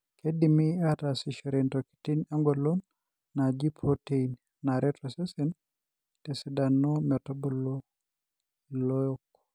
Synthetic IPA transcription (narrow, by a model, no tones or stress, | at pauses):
kʰedimiatasiʃɔɾentoki̥tinaŋɡolonː | ad͡ʒipʰɾoteinː | aɾetʰɔsesin | tesidanːɔmɛtobolo | ilojok̚